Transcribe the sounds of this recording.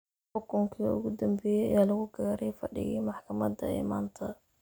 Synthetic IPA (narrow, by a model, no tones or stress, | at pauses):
ħɔkʊŋkʰḭʊ̰ɡʊd̪ɐmbɛjɛ̰jalɐɣʊɡaːɾɛjfɐɖɪ̰ɣɛ̰maħkʰɐmɐd̪ɐ̰ɪ̰ma̰ːnt̪ʰɐ